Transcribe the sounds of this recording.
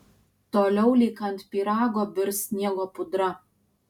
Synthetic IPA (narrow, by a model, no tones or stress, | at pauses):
t̪oːlʲɛʊlʲiːkɐnt̪pʲiːɾɑːɡoːbʲɪɾsʲnʲiɛɡoːpʊd̪ɾɐ